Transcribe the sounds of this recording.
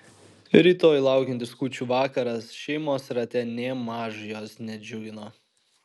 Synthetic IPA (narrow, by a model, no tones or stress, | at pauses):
ɾʲiːt̪oːjlˠɑˑʊkʲɛnʲt̪ʲɪskuːt͡ʃʲuːʋɑːkɐɾɐsʃʲɛɪmoːsɾɐt̪ʲɛnʲeːmɑːʒʊjoːsnʲɛd͡ʒʲʊɡʲɪnoː